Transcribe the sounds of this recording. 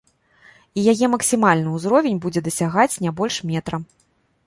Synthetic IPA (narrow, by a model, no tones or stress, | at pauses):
ijajɛmɐksʲimalʲnɨuzɾɔvʲenʲbud͡zʲɛd̪ɐsʲaɣat͡sʲnʲabɔlʲʂmʲɛt̪ɾɐ